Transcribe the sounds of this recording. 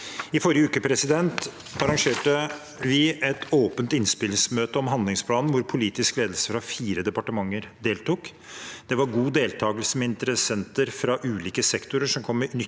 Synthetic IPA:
ɪfɔɾɪjəʉːkəpʰɾɛsɪd̪ɛnt̪ | ɑɾɑŋʂeːʈə | ʋɪʔɛt̪ʰoːpənt̪ɪnspɪlɪŋsmøːt̪əɔmɦɑnd̪lɪŋspʰlɑːnn̩ʋʊɾpʰʊliːt̪ɪskleːd̪əlsə̥fɾɑfiːɾəd̪ɛpɑʈəmɑŋːəɾd̪eːlt̪uːk | d̪̥ɛʋɑɾɡuːd̪eːlt̪ʰɑːɡəlsəmɛɪnt̪əɾəsɛnt̪əɾfɾɑʔʉːliːkəsɛkt̪ʊɾəʂɔmkʰɔmːənʏ

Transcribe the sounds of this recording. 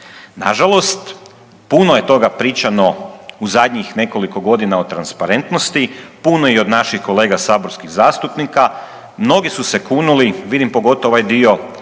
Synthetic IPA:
na̰ʒalˠo̞st̪ | punoje̞t̪o̞ɡapɾiːt͡ʃano̞uzad̪ɲixne̞ko̞liko̞ɡo̞d̪inao̞t̪ɾanspaɾe̞nt̪nost̪ipunojio̞d̪naʃixkole̞ːɡasaːbo̞ɾskiɣzaːst̪upnika | mno̞ɡisuse̞kunuliʋid̪impo̞ɡo̞t̪ooʋajd̪io̞

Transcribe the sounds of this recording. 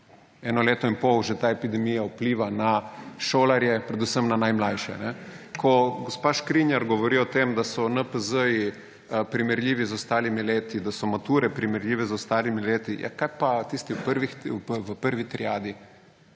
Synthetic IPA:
ɛːnɔleːt̪ɔinpɔwʒɛt̪aːepid̪ɛmijaupliːʋanaʃoːlaɾjɛpɾɛd̪usəmnanajmlajʃɛ̰nɛkʰɔɡospaːʃkɾinjaɾɡɔʋɔɾiːɔt̪eːmd̪asɔnəpəzəji | pɾimɛɾlʲiːʋizɔst̪aːlimileːt̪id̪asɔmat̪uːɾɛpɾimɛɾlʲiːʋɛzɔst̪aːlimileːt̪ija̰kajpat̪iːst̪iwpəɾʋixwpəʋəpəɾʋit̪ɾiaːd̪i

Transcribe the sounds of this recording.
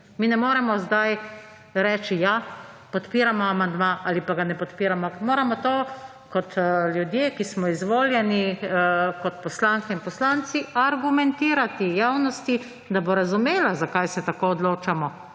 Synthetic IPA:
miːnɛmoːɾɛmɔzd̪aj | ɾɛːt͡ʃija | pɔt̪piːɾamɔamand̪maʔaːlipaɡanɛpɔt̪piːɾamɔmoːɾamɔt̪oː | kɔt̪ljud̪jeːkismɔizʋoːljɛni | kɔt̪pɔslaŋkɛinpɔslant̪siaɾɡumɛnt̪iːɾat̪ijaːwnɔst̪i | d̪aboɾazumeːlazakajsɛt̪akoːɔd̪loːt͡ʃamɔ

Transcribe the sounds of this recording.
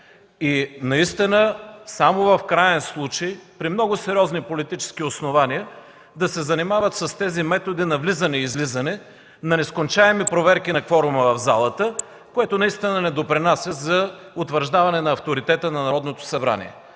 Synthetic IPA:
inɐist̪inəsamovɐfkɾajɛnslˠut͡ʃejpɾimnɔɡʊsɛɾiɔznipolit̪it͡ʃɛ̥sk̟iosnovaniə | d̪ɐsɛzɐnimavət̪səst̪ɛzimɛt̪od̪inɐvlizɐnɛizlizɐnɛ | nɐnɛskont͡ʃaɛmipɾovɛɾkinɐkfɔɾʊmɐvɐvzalˠət̪ə | koɛt̪onɐist̪inənɛd̪opɾinasʲjəzɐ | ot̪vəɾʒd̪avɐnɛnɐːft̪oɾit̪ɛt̪ənɐnɐɾɔd̪not̪o̥sɐbɾa̰nḭɛ̰

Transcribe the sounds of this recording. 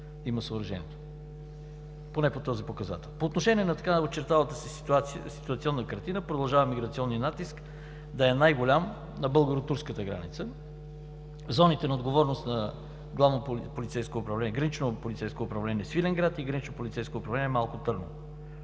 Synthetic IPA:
iməsoːɾɐʒɛ̰niɛt̪o̥ | ponɛpot̪ɔzipokɐza̰t̪ɛlˠpoːt̪noʃɛnʲiɛnɐt̪ɐkaot͡ʃɛɾt̪alˠət̪əsi̥at̪sisi̥t̪uɐt̪siɔnːəkɐɾt̪inəpɾod̪ɐlˠʒavəmiɡɾɐt̪siɔnːinat̪isk | d̪ɐɛnajɡolʲam | nɐbɤlˠɡəɾot̪uɾskət̪əɡɾa̰nit̪sə | zɔnit̪ɛnɐod̪ɡovɔɾnost̪nɐ | ɡlˠavnoppolʲit̪sɛjskoːpɾɐvlɛniɛɡɾɐnit͡ʃnopolʲit̪sɛjskoːpɾɐvlɛnʲiɛsfilɛŋɡɾat̪iɡɾənit͡ʃnopolʲit̪sɛjskoːpɾɐvlɛnʲiɛmalˠkʊt̪ɤɾno̰

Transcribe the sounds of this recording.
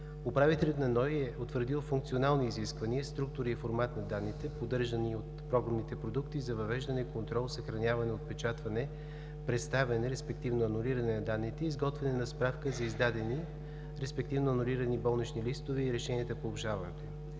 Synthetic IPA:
opɾavit̪ɛlʲɐt̪nɐnɔjɛot̪vəɾd̪ilˠfuŋk̚t̪sionalˠniːziskvəniəst̪ɾukt̪ʊɾiːfoɾmat̪nɐd̪anːit̪ɛpod̪ɤɾʒəniot̪pɾɔɡɾɐmnit̪ɛpɾod̪ukt̪izɐvɐvɛʒd̪ɐnɛikont̪ɾɔlˠsəxɾɐnʲjavɐnɛot̪̚pɛt͡ʃat̪vɐnɛ | pɾɛt̪st̪avʲɐnɛɾɛspɛk̚t̪ivnoɐnuliɾɐnɛnɐd̪anːit̪ɛiːzɡɔt̪vɛnɛnɐspɾafkəzɐizd̪ad̪ɛni | ɾɛspɛkt̪ivnoɐnuliɾɐnibɔlˠnit͡ʃnilist̪ovɛiɾɛʃɛniət̪əpoːbˠʒavɐnɛt̪oim

